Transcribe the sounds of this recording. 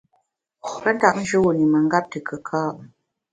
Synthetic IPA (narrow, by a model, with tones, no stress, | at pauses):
ə˦n̩˦ta˦˨ʔn̩˦d͡ʒə˦wu˨ni˨mə˨ŋ˦ɡa˦p̚tə˨kʰə˨kʰa˦˨